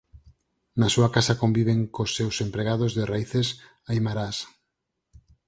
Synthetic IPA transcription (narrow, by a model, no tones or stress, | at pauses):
nasuakasakombiβ̞eŋkosːewsempɾeɣ̞aðozðeraiθes | ajmaɾas